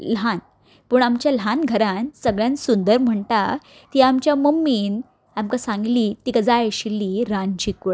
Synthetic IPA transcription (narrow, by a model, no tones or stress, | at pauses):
lan | puːɳamt͡ɕjalanɡʱəɾansəɡɭjãnsund̪əɾm̤əɳt̪a | t̪iamt͡ɕjamumːiːn | amkasãŋɡliːt̪ikəd͡zaeɕilːiːɾãnd͡ʑiku